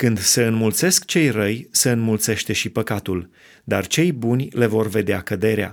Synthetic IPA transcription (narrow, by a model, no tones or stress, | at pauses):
kɨnd̪seɨnmult̪se̞skt͡ʃe̞jrəjseɨnmult̪se̞ʃt̪e̞ʃipəkat̪ul | d̪art͡ʃe̞jbunʲle̞vo̞rve̞d̪eakəd̪e̞ɾea̰